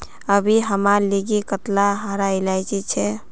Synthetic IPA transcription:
əbʱiɦəmaleɡikət̪laɦəɾajlajt͡ʃɛt͡ʃʰɛ

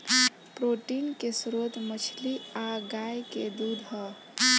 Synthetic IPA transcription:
pɾoʈinkesɾot̪mət͡ʃʰliaɡajked̪ud̪ʱɦɔ

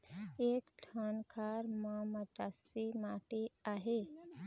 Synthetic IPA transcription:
eːkʈʰaːnkʰaːɾmãməʈasimaːʈeaːɦeː

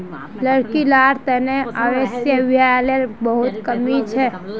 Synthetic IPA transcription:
ləɽkilaɾt̪əneaʋesjəbijalelbəɦut̪kəmit͡ʃʰɛ

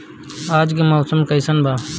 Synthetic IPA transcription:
aːd͡ʒkemoːsəmkɐjsənbaː

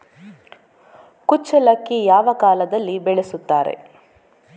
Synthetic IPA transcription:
kut͡ʃːɐlɐkːijaːʋɐkaːlɐd̪ɐlːibɛɭesut̪ːaːɾḛ

